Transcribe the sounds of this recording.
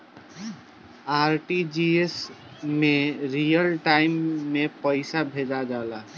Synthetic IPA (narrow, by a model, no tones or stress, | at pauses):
aɾʈid͡ʒies | meɾijəlʈaɪmːepəɪsabʱed͡ʒad͡ʒala